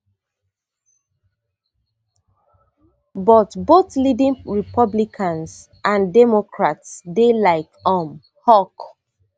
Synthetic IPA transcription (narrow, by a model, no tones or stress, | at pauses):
bɔtboθlidĩŋɹipɔblikʰãns | ʔãndɛmokʰɹatsdelaɪkɔ̃m | hɔk